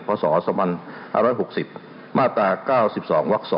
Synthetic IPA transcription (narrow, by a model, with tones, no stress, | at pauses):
pʰɔː˧sɔː˩˦sɔː˩˦mʰa˧na̰ː˥˩ɾɔː˦˥jɦo˨˩k̚si˨˩p̚ | maː˥˩t̪aː˧kaː˥˩wsi˨˩p̚sɔː˩˦ŋwa˦˥k̚sɔː˨˦